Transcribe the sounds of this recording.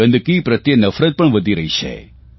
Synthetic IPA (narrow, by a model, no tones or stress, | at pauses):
ɐnd̪ɨkiːpɾɐt̪jɐnɐfɾɐt̪̚pɐɳʋɐd̪iɾɐjɕḛ